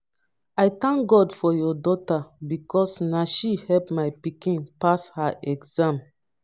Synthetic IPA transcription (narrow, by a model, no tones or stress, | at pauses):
ajt̪ãŋkɡɔdfɔjɔdɔtabikɔsnaʃihɛlpmajpikĩnpashaʔɛɡzãm